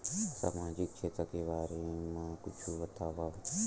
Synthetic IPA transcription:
sa̰ːmaːd͡ʒikt͡ʃʰeːt̪ɾəkebaːɾemãkʊt͡ʃʰuʋət̪aːʋa

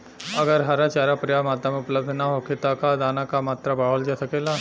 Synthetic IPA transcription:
ɐɡəɾɦaɾat͡ʃaːɾapɾijamaːt̪ɾamẽʊpləbd̪ʱnaɦokʰɪt̪akad̪aːnakamaːt̪ɾabaːɦold͡ʒasɐkeːla

